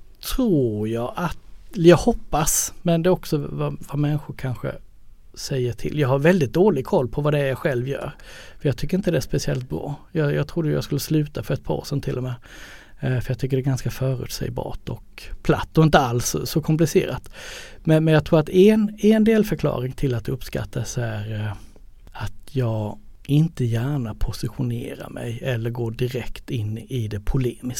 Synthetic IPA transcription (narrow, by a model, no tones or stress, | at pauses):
t̪ʰɾuːɾjɑːʔat̪jɑːɡhɔpːasmɛnd̪ɛɔksɔvavamɛnɧʊɾkʰanɧə̰ | sɛjːəʈʰɪ̰ljɑːɡhaɾvɛld̪ɪt̪̚d̪oːlɪɡkʰɔlːpʰɔvad̪ɛjaɧɛlvjœ̰ːɾfœɾjɑːɡt̪ʰʏkːəɾɪnt̪əd̪ɛæʂpɛsɪɛlt̪̚bɾɑ̰ːjɑːjɑ̰ːɡt̪ʰɾʊd̪ːəjʊja̰skɵlːəslʉ̟ːt̪afœɾɛt̪̚pʰɑ̰ːsənt̪ʰɪlːɔmɛː | fœɾjɑːt̪ʰʏkːəɖɛɡanskafœːɾʉ̰ːt̪sɛ̰jbɑ̰ːʈɔkpʰla̰t̪ːɔɪnt̪əalsːɔkʰɔmp̬lɪsḛːɾat̪mɛnmɛnjɑɡt̪ʰɾuːɾat̪ɛnɛnd̪eːlfœɾkʰlɑ̰ːɾɪŋt̪ʰɪlːat̪d̪ɵpːska̰t̪ʰːasæɾ | at̪jɑːɡɪnt̪əjæːɳapʰʊsɪɧʊnḛːɾa̰ɾmʔɛ̰jɛlːəɾɡoːɖɪɾɛkt̪ɪnːɪd̪ɛpʰʊleːmɪs